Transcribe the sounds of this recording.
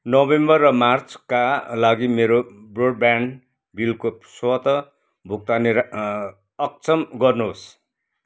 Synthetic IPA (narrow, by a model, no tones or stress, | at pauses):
nʌbembʌrːʌmart͡skalaɡimeɾobroɽ̚ban | bilkoswʌt̪ʌ | bʱuk̚t̪aniɾ | ʌk̚t͡sʰʌmɡʌrnuɦos